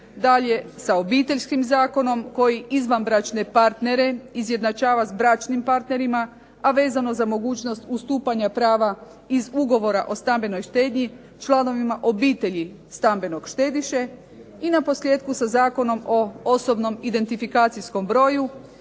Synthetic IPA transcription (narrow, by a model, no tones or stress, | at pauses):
d̪aʎe̞saobiːt̪e̞ʎʲskimzaːko̞no̞mko̞jiizʋanbɾat͡ʃne̞paɾt̪ne̞ɾe̞izjed̪nat͡ʃaːʋazbɾat͡ʃnimpaɾt̪ne̞ɾima | aʋe̞ːzano̞zamo̞ɡuːt͡ʃno̞st̪ust̪uːpaɲapɾaːʋa | izuɡo̞ʋo̞ɾaʔo̞st̪ambe̞no̞jʃt̪e̞ːd̪ɲi | t͡ʃlˠano̞ʋimaʔo̞biːt̪e̞ʎi | st̪ambe̞no̞ɡ̥ʃt̪e̞ːd̪iʃe̞ | inapo̞slje̞ːd̪kusazaːko̞no̞mo̞oso̞bno̞mid̪e̞nt̪ifikaːt̪sijsko̞mbɾo̞ːju